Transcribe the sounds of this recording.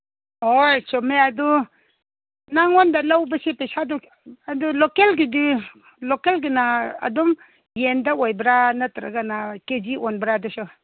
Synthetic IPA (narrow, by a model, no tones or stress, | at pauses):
ojsɔmeadɔ | naŋɔndalawbɐsepesadɔ | adulokelɡidi | lokelɡinaɐ̰dɔm | jendaojbɾanatɾa̰ɡanaked͡ʒiɔnbɾadusɔ